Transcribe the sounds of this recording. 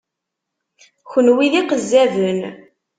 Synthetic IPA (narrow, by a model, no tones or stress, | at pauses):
çənwiðiqəzːævən